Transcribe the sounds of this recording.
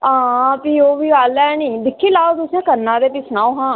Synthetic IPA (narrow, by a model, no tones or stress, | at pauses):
ãːpiːoːʋiːɡaːlɛːnĩːd̪ɪkʰːiːlaːot̪ʊsjãːkəɾnãːɾeːpiːsənaːoːɦãː